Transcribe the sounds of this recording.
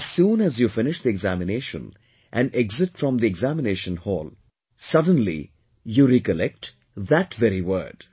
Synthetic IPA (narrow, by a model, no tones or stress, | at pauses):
z̥sũːnæzjufɪ̃nɪʃd̪iɛɡzæmɪneːʃə̰̃n | ʔæ̃nɖɛɡzɪʈfɾɔ̃md̪iɛɡzæmɪneːʃə̃nhɔːl | sʌd̃n̩lḭ | juɾikəlɛk̚ʈ | ðætvɛɾiwə̰ːɖ̥